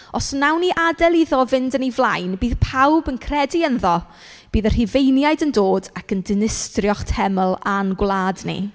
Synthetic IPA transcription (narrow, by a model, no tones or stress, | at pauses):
ɔsnawniʔadɛlˠiðɔvɪndənivlˠajnbiːðpʰawbənkʰrɛdiənðɔ | b̥iːðər̥hivejnjajdəndoːdakəndɪnɪstrjɔχtʰɛməlˠanɡwlˠaːdnḭ